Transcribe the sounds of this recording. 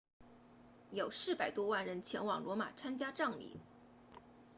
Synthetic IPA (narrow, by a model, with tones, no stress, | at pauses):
jo˨˩ʊʂɻ̩˥˩pa˨˩ɪt̪wɔ˥wa˥˩nɻə˧˥nt͡ɕʰjɛ˧˥nwɑ˨˩ŋlwɔ˧˥ma̰˨˩t͡sʰa˥nt͡ɕja˥ʈ͡ʂɑ˥˩ŋlḭ˨˩˦